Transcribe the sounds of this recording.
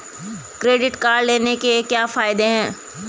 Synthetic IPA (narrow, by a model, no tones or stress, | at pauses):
kɾeːɖɪʈkaːɖleːnekekjaːfaːɪd̪eɦɛ̃ː